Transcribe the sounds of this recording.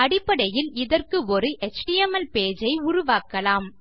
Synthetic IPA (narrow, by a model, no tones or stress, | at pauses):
ɐɽɪpːɐɽɐjɪlɪðɐrkɯɔɾɯʔɛt͡ʃʈiɛmɐlpeːd͡ʒɐɪʊɾʊʋaːkɐlaːm